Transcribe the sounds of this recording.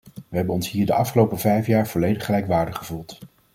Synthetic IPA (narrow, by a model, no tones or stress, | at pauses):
ʋəɦɛbənɔnsɦiːɹdəɑfχəlowpəvɛjfjaːɹv̥ɔlejdəχəlɛjkʋaːɹdəχχəvulˠt